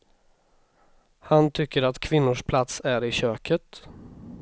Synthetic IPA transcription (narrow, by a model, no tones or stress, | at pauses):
hant̪ʰʏkːəɾat̪kʰvɪnːʊʂpʰlat̪sæɾɪɕøːkʰət̪